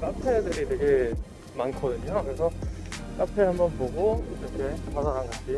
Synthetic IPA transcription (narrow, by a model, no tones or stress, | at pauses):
k͈apʰedɯɾitweɡe | mankʰʌdɯɲokɯɾe̞sʰʌk͈apʰehambʌnpoɡoiɾʌkʰe̞padaɡanɡad͡ʑʰi